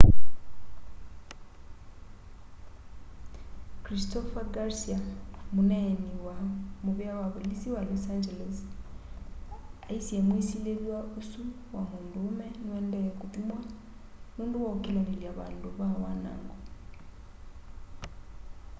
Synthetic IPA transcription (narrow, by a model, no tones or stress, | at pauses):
kʰɾistʰɔfaɡaɾsiamunɛniwamuβɛawaβɔlisiwalɔsand͡ʒɛlɛs | aisiɛmuisileliwaʔusu | wamundumɛnuɛndɛjakʼut̪ʼumwa | nunduwaukʼɛlaniliaβa̰nduβawana̰ːŋɡɔ